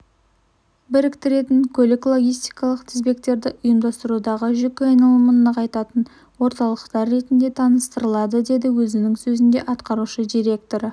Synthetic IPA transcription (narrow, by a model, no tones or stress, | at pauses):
bɪɾɪkt̪ɪɾe̞t̪ɪŋkʲʰɵlɪklˠo̞ɡʲijst̪ijkɑlˠəqt̪ʰɪzbe̞kt̪e̞ɾd̪ɪʔʊjəmd̪ɑst̪əɾud̪ɑʁəʒʏkʲɪɑjnɑlˠəmənːəqʰɑjt̪ɑt̪ən | wo̞ɾt̪ɑlˠəqt̪ɑɾːe̞t̪ɪnd̪e̞t̪ʰɑnəst̪əɾəlˠɑd̪əd̪e̞d̪ɪwɵzɪnɪŋsɵzɪnd̪e̞ʔɑt̪qɑɾuʃəd̪ijɾe̞kt̪o̞ɾə